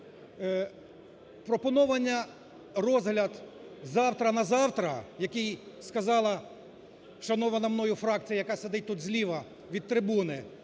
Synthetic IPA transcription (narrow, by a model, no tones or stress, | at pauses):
pɾɔpɔnɔʋɐnʲːɐ | rɔzɦlʲɐd̪zɑwt̪ɾɐnɐzɑwt̪ɾɐjɐkɪjskɐzɑlˠɐ | ʃɐnɔʋɐnɐmnɔjʊfɾɑk̚t͡sʲijɐjɐkɑsed̪ɪt̚ʲt̪ud̪zʲlʲiʋɐ | ʋʲid̪̚t̪ɾɪbunɪ